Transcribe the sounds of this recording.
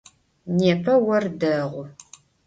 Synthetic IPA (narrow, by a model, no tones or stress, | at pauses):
neːpʰɐwɐrdɐʁʷʊ